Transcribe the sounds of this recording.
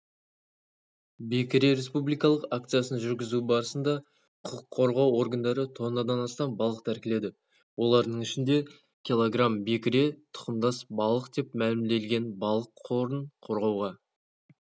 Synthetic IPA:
be̞kʲɪɾe̞ɾe̞spublijkɑlˠəqak̚t̪sɨjasənʒʏɾɡʲɪzubɑɾəsənd̪ɑ | qʰqʰːo̞ɾʁɑwo̞rɡənd̪ɑɾət̪ʰo̞nɑd̪ɑnɑst̪ɑmbɑlˠəq̚t̪ʰæɾkʲɪle̞d̪ɪ | wo̞lˠɑɾd̪əɴɪʃɪnd̪e̞ | kʲʰilˠo̞ɡrambe̞kʲɪɾe̞t̪ʰʊ̥qəmd̪ɑsbɑlˠəqd̪e̞pmælɪmd̪e̞lɡʲe̞nbɑlˠəqʰːo̞ɾəɴqʰo̞ɾʁɑwʁɑ

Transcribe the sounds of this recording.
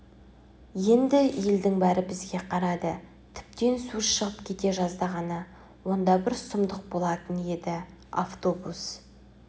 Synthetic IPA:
je̞nd̪ɪje̞ld̪ɪŋbæɾɪbɪzɡʲe̞qʰɑɾɑd̪ə | t̪ʰɪ̥p̚t̪e̞nsuʃəʁəpkʲʰe̞t̪e̞ʒɑzd̪ɑʁɑnə | wo̞nd̪ɑbɪɾsʊmd̪əq̚bo̞lˠɑt̪ənje̞d̪ɪ | a̰ft̪o̞bus

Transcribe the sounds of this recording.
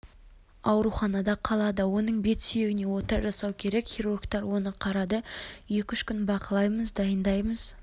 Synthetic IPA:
ɑwɾuχɑnɑd̪ɑqʰɑlˠɑd̪əwo̞nəɴbe̞t̪sije̞ɡʲɪne̞wo̞t̪əɾʒɑsɑwkʲʰe̞ɾe̞kχʲiɾurɡt̪ɑɾwo̞nəqʰɑɾɑd̪əje̞kʲʏʃkʲʏnbɑqəlˠɑjməzd̪ɑjənd̪ɑjməz̥

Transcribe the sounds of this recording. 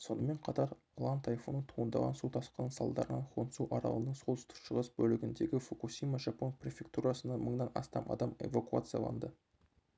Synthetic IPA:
so̞nəme̞ɴqʰɑt̪ɑɾ | lˠɑnt̪ʰɑjfunət̪ʰuʁənd̪ɑʁɑ̰nsut̪ʰɑsqɑnsɑlˠd̪ɑɾənɑnqʰonsuʔɑɾɑ̰lˠənəɴsolˠʏst̪ə̥kʃəʁəsbɵlɪɡʲɪnd̪e̞ɡʲɪfukusʲijmaʒɑpo̞nprʲe̞fʲe̞kt̪uɾasənɑməɴnɑnɑ̰st̪ɑmʔɑ̰d̪ɑme̞̰vakua̰t̪sɨja̰lˠɑ̰nd̪ə

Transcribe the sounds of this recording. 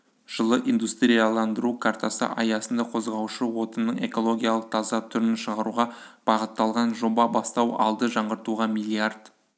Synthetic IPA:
ʒ̥əlˠəʔind̪ust̪ɾijalˠɑnd̪əɾukʰart̪asə̰ʔɑjɑsənd̪ɑqʰo̞zʁɑwʃəwo̞t̪ənːəɴe̞ko̞lˠo̞ɡʲijalˠəq̚t̪ʰɑzɑt̪ʰʏɾɪnʃəʁɑɾuʁɑb̥ɑʁət̪ːɑlˠʁɑnʒo̞bɑbɑst̪ɑwɑ̰lˠd̪əʒɑɴʁəɾt̪uʁɑmilʲˠiard̪

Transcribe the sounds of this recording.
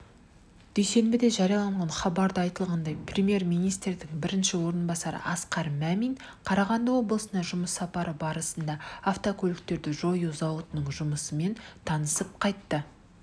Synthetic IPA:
d̪̥ejse̞nbɪd̪e̞ʒɑɾijɑlˠɑɴʁɑnχɑbɑɾd̪əɑjt̪əlˠʁɑnd̪ɑjprʲemje̞rmijnijst̪rd̪ɪŋbɪɾɪnʃɪwo̞ɾənbɑsɑɾə̰ʔɑsqɑɾmæmijn | qʰɑɾɑʁɑnd̪əwo̞blˠəsənɑʒʊməsːɑpɑɾəbɑɾəsənd̪ɑːft̪okʲʰɵlɪk̚t̪e̞ɾd̪ɪʒo̞juzɑwət̪ənəɴʒʊməsəme̞nt̪ʰɑnəsəp̚qʰɑjt̪ːə

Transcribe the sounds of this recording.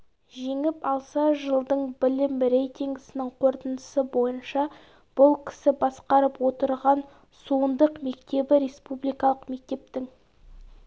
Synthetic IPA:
ʒeŋɪpɑlˠsɑʒəlˠd̪əɴbɪlɪmɾe̞jt̪iŋɡʲɪsɪnɪŋqʰo̞ɾt̪ənəsəbo̞jənʃɑ | b̥ʊlˠkʲʰɪ̥sɪbɑsqɑɾəpwo̞t̪əɾʁɑn | suənd̪əqme̞kt̪e̞bɪɾe̞spublijkɑlˠəqme̞k̚t̪e̞p̚t̪ɪŋ

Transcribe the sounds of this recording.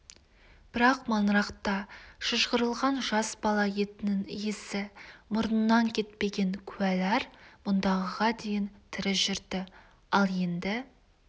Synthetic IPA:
b̥ɪɾɑqmɑnɾɑqt̪ɑʃəʒʁəɾəlˠʁɑnʒɑsbɑlˠɑje̞t̪ɪnɪŋjesɪmʊɾənːɑŋkʲʰe̞t̪̚pe̞ɡʲe̞ŋkʲʰʉælæɾmʊnd̪ɑʁəʁɑd̪e̞jɪnt̪ʰɪɾɪʒʏɾd̪ɪ | ɑlˠje̞nd̪ɪ

